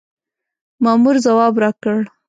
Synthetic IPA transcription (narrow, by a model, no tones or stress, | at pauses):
mɑmuɾzawɑbɾɑkəɽ